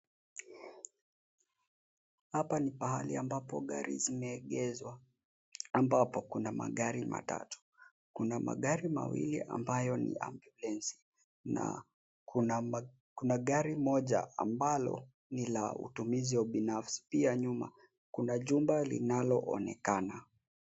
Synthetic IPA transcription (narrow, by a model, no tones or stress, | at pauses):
hapanipaɦaliambapɔɠaɾḭzimɛːɠɛzwa | ambapɔkunama̰ɠaɾima̰ta̰tu̥ | kunamaɠaɾima̰wḭliʔa̰mbajɔnḭʔa̰mbjulɛnsi̥ | na̰ | ku | kunaɠaɾimɔʄa̰ambalɔ̰ | nila̰ṵtumiziwaɓinafsi̥piaɲuma̰ | kunaʄumbalḭnalɔʔɔnɛkana